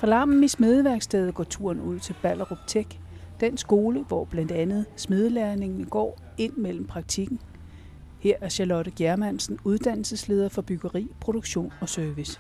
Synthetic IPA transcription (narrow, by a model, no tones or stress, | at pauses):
fʁɑ̈lɑ̈mm̩isme̝ð̞ˠəʋæɐɡ̥sd̥ʰeːðˠɡ̥ɒ̰ːt͡sʰuɐ̰nuð̞̰ˠt͡sʰe̝lb̥ælɐʁub̥t͡sʰeɡ̥ | d̥ensɡ̥o̝ːləʋɒb̥læn̰d̥ænð̞̩ˠsme̝ð̞ˠəlæɐne̝ŋnɡ̥ɒ̰ː | e̝n̰mel̰m̩pʰʁɑ̈ɡ̥̚t͡sʰiɡ̥n̩ | heɐ̰æɐɕælɒ̽ɾ̥əɡ̥jæɐmæn̰sn̩uð̞ˠd̥æn̰l̩səsle̝ːð̞ˠɐfɒ̽b̥yɡ̥ɐʁḭːpʰʁo̝ɾ̥oɡ̥ɕo̝̰ːnɒ̽sœɐʋis